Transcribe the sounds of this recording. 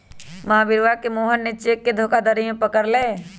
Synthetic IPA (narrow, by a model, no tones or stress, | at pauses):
mɐɦabɪɾʋakemoːɦənːɪt͡ʃekːed̪ʱoːkad̪əɾijẽpəkəɾleː